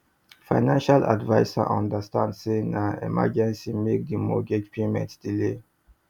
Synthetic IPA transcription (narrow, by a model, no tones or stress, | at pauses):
faɪnãnʃala̰dvaɪsa̰ʔɔ̃ndastãndsenaɛ̰ma̰d͡ʒɛ̃nsimek̚dimɔɡɛd͡ʒpʰemɛ̰̃ntd̥ile